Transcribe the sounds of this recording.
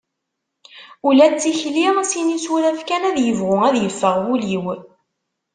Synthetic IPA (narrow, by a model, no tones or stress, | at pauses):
ulæt͡sːiçlisinisuɾæfkænæðjəvʁʊæðjəfːəʁwuliw